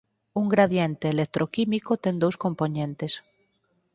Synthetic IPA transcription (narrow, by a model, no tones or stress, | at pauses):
uŋɡɾaðjent̪eːlek̚t̪ɾʔokimikot̪eŋd̪owskomponẽnt̪es